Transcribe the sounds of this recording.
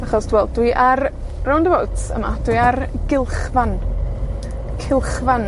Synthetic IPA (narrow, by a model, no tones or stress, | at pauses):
aχɔsd̥wɛlˠd̚d̥wɨʔar | rɔwndəvowtsə̰ma̰d̥wiarɡɪlˠχvan | kʰɪlˠχvan